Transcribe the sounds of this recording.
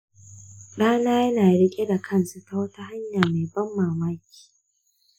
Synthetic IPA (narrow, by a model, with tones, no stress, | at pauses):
ɗaː˦naː˦jɐ˦naː˨ɽɪ˦kʲʼe˦da˨kʰɐ˦˨nsu˨ta˨wɐ˦ta˦ɦa˦ɲjaː˨ma˨jbɐ˦mːaː˨ma˦kʲi̥ː˨